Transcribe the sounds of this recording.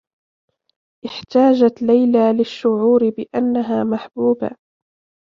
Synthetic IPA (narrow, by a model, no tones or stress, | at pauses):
ʔɪħt̪aːd͡ʒat̪lajlaːlɪʃːʊʕuːɾɪbɪʔanːaɦaːmaħbuːba̰